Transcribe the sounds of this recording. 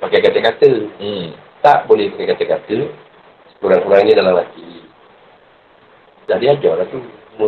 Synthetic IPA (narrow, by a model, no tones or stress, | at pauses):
pakajkat̪əkat̪əm̩ | t̪aʔbolɛhpakajkat̪əkat̪ə | sə̥kuɾansuɾaŋidalamlaki | d͡ʒadiad͡ʒɔɾat̪u | mu